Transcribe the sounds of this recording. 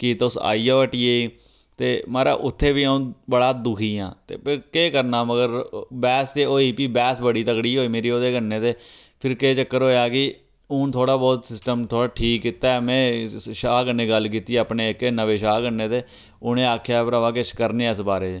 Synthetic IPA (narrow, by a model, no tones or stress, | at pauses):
kiːt̪ːʊsa̰ːiːoːʈiːeːi | t̪eːmaːɾa̰ːʔʊt̪ʰːeːʋiːəũːbəɽaːd̪ʊkʰiːãːt̪ḛːpɪɾkeːkəɾnaːməɡəɾbɛːst̪eːoːiːpiːbɛːsbəɽiːt̪əkɽiːɦoːiːmeːɾiːoːd̪eːkənːeːt̪eːpʰɪɾkeːt͡ʃəkːəɾɦoːjaːkɪ | ʊ̃ːt̪ʰoːɽaːbɔːt̪sɪsʈəmt̪ʰoːɽaːʈʰiːkːɪt̪aːɛːmɛ̃ːʃaːkənːeːɡəlk̬iːt̪iːəpneːɪkenəʋeːʃaːɡənːeːt̪eː | ʊnẽːaːkʰjaːpəɾaːʋaːkɪt͡ʃkəɾneːɪsbaːɾeː